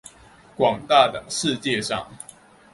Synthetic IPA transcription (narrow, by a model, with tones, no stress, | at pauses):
kwɑ˨˩ŋt̪a˥˨d̪ə˨˩ʂɻ̩˥˧t͡ɕjɛ˥˨ʂɑ̰˥˨ŋ